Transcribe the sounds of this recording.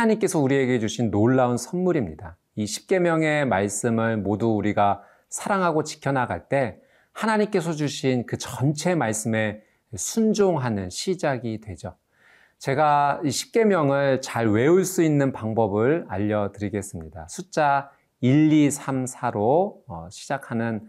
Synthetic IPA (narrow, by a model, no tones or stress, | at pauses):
naɲimk͈e̞sʰʌuɾie̞ɡe̞d͡ʑuɕʰinːoɭːaunsʰʌnmuɾimɲida | iɕʰi̥p̚k͈e̞mjʌŋe̞maɭs͈ɯmɯɭmoduːɾiɡa | sʰaɾaŋɦaɡot͡ɕi̥kʰjʌnaɡa̰ɭt͈e̞ | hanaɲimk͈e̞sʰʌd͡ʑuɕʰinkɯt͡ɕʌnt͡ɕʰe̞maɭs͈ɯme̞ | sʰund͡ʑoŋɦanɯnɕʰid͡ʑaɡidwe̞d͡ʑo | t͡ɕe̞ɡaiɕʰi̥p̚k͈e̞mjʌŋɯɭt͡ɕaɭwe̞uɭs͈uinːɯnpaŋbʌbɯɭaʎːʌtɯɾiɡe̞s͈ɯmɲida̰sʰut͡ɕ͈a | iʎːisʰamsʰaɾoːɕʰi̥d͡ʑakʰanɯn